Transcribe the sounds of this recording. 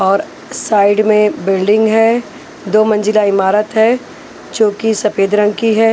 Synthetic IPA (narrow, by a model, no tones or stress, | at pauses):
ɔːɾ | saːɪɖmẽbɪlɖɪ̃ŋɡɦɛ | d̪oːmɐ̃nd͡ʒɪlaɪmaːɾət̪ɦɛː | d͡ʒõːkisɐpʰeːd̪ɾə̃ŋɡkiɦɛː